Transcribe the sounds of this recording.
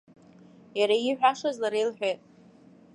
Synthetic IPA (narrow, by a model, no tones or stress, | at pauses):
jaɾaiħᶣʷaʂazlaɾejlħᶣetʼ